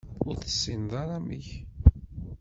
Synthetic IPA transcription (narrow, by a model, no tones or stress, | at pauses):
ʊɾθə̥sːinðˤɑɾˤɑmiç